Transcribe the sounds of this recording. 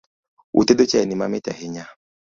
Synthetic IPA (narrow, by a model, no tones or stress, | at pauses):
ṵtedot͡ʃɛnimameta̰ɦɪɲa